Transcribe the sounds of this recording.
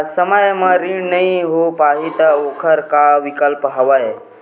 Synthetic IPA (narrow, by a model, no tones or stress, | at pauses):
səməjməɾinəiɦopaɦit̪əokʰəɾkaʋikəlpəɦəʋaje